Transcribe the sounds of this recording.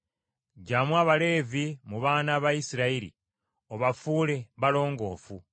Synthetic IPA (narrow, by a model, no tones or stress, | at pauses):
ɟamwaːβale̞ːvimuβaːnaβajisiɾaiɾḭ | o̞βafuːle̞βalo̞ːŋɡo̞ːfu